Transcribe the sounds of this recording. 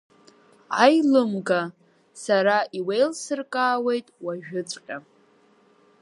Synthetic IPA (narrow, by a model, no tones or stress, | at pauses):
ajlɨmɡa | saɾaʔiwe̞jlsɨrkʼaːwe̞jtʼwaʒᶣʊt͡sʷʼqʲʼa